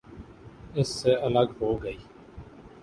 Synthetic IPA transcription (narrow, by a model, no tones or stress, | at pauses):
ɪsːeːələɡɦoːɡəiː